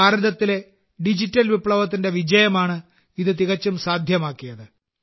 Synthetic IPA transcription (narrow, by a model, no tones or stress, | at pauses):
aːɾiðɐt̪ːile̞ | ɖid͡ʑitːɐlʋipɭɐʋɐt̪̬ːinde̞ʋid͡ʑɐjɐmaːɳɨ | iðɨt̪̬iɣɐt͡ɕːumsaːd̪ʱjɐmaːkːijɐðɨ